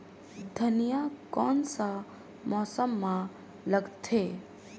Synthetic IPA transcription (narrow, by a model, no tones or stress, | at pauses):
d̪ʱənijakɔːnsa | mɔːsəmːã | ləɡt̪ʰeː